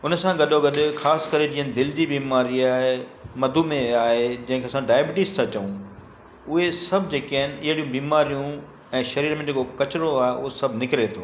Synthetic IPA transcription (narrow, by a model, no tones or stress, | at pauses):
ʊnsãɡɐɗoɡɐɗʊxaːsɪ̥kɐɾed͡ʑiːənd̪ɪld͡ʑibiːmaːɾiaːɦemɐd̪ʱumẽaːɦed͡ʑɐ̃ɦɪ̃kʰeɐsãɖaːɪbɪʈɪssãt͡ɕɐũ | ʊɦesɐbʱd͡ʑeːkaːɦɪnɪ̆ɪɦɽijũbiːmaːɾijũ | ɛ̃ːʃɐɾiːɾmẽd͡ʑeːkokɐt͡ɕɾoaːɦeʔʊɦosɐbʱnɪkɪɾet̪ʰoː